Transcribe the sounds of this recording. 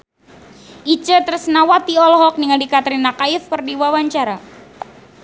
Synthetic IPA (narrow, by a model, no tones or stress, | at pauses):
ʔit͡ʃət̪ərsənawat̪iɔlɔɦɔk̚niŋaldikat̪ɾinakaɪfkərdiwawaɲt͡ʃaɾa